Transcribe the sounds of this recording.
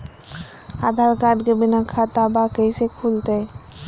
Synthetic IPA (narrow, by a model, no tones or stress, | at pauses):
ad̪ʱaɾkaɖɡebinakʰat̪abakejsekʰult̪e